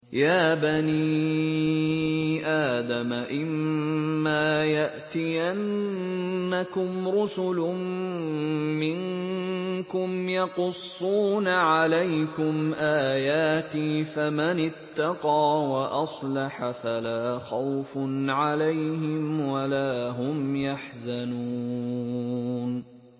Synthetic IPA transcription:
jaːbani | ʔaːd̪amaʔɪmː | aːjaʔt̪iʔanː | akʊmɾʊsʊlʊ | mɪŋ | kʊmjɑqʊsˤːuːnaʕalajkʊmʔaːjaːt̪iːfamanɪt̪ːɑqɑːwaʔɑsˤlɑħafalaːxawfnʕalajɦɪmwalaːɦʊmjaħzanu | n

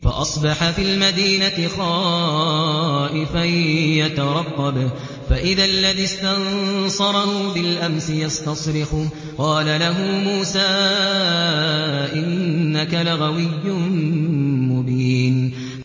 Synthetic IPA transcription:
fɑ̰ʔɑsˤbɑħafilmad̪iːnaɪxɑː | ʔɪfajjat̪ɑɾˤɑqːɑb | faʔɪðalːaðɪst̪ansˤɑɾˤɑhubɪlʔamsɪjɑst̪ɑsˤɾɪħʊ | qɑːlalaɦʊːmuːsaː | ʔɪnːakalaɣawɪjːʊ | mʊbiːn

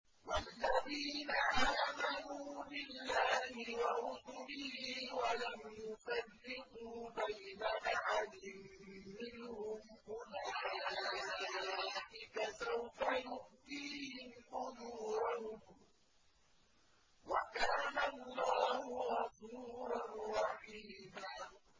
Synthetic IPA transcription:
walːaðiːnaʔaːmanuːbɪlːaːhɪwaʔʊdʊlɪhiwalamjʊsarːɪquːbajnaʔaħad̪ɪmːɪnhʊmʔʊlaːaaʔɪkasawfajʊʔd̪iːhɪmʔʊðuːɾʊh | wakaːnalːɑːhʊɣɑsuːɾanɾɑħiːd̪aː

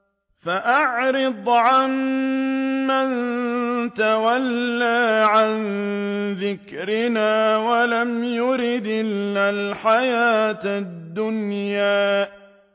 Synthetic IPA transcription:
faʔaʕɾɪd̪ˤʕamː | an | t̪awalːaːʕanðɪkɾɪnaːwalamjʊɾɪd̪ʔɪlːalħajaːt̪d̪ːʊnjaː

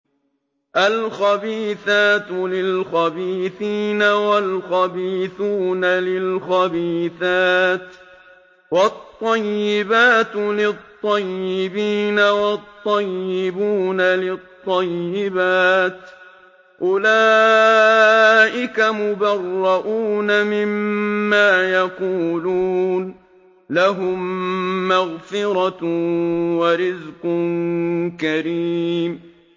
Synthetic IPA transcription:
ʔalxabiːθaːt̪lɪlxabiːθiːnawalxabiːθuːnalɪlxabiːθaːt̪ | wɑt̪ˤːɑjːɪbaːt̪lɪt̪ˤːɑjːɪbiːnawɑt̪ˤːɑjːɪbuːnalɪt̪ˤːɑjːɪbaːt̪ | ʔʊlaː | ʔɪkamʊbɑrˤːɑʔuːnamɪmːaːjaquːluːn | laɦʊmː | aɣfɪɾɑ | waɾɪzqʊnnkaɾiːm

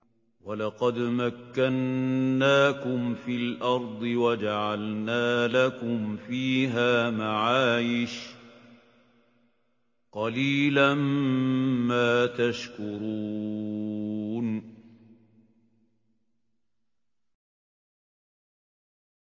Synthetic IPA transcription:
walɑqɑd̪makːanːaːkʊmfilʔɑɾˤd̪ˤɨwad͡ʒaʕalnaːlakʊmfiːɦaːmaʕaːjɪʃ | qɑliːlamː | aːt̪aʃkʊɾuu | n

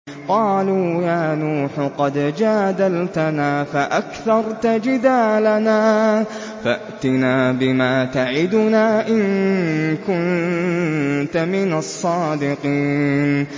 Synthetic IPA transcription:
qɑːluːjaːnuːħqɑd̪d͡ʒaːd̪alt̪anaːfaʔakθɑɾˤt̪ad͡ʒɪd̪aːlanaː | faʔt̪ɪnaːbɪmaːt̪aʕɪd̪ʊnaːʔɪn | kʊn | t̪amɪnasˤːɑːd̪ɪqiːn

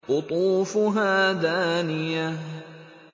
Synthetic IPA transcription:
ʔʊt̪ˤuːfʊɦaːd̪aːnɪja

